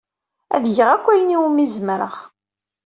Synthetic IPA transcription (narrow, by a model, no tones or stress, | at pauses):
æ̰ðʝəʁækʷːæjəniwumizmɾə̰ʁ